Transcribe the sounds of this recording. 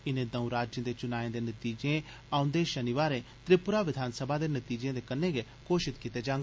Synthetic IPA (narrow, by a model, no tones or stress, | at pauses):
ɪnẽːd̪ɐũɾaːd͡ʒjə̃d̪et͡ʃʊnaːẽd̪enɐt̪iːd͡ʒẽ | ãːʊ̃nd̪eʃənɪʋaːɾẽt̪ɾɪpʊɾaʋɪd̪ʱaːnsəbʱad̪enɐt̪iːd͡ʒẽːd̪ekənːẽɡe | koːʃɪt̪kit̪ed͡ʒãːŋɡ